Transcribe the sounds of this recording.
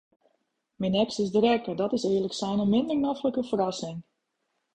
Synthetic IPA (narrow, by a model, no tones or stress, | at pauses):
mɪnɛksɪzdərɛkədɔtɪsɪːləksɛjnəmɪndəɹnafləkəfərɑsɪŋ